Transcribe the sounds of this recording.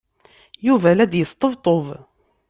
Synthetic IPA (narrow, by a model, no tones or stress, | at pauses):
juvælæd̪jəst̪ˤəvt̪ˤov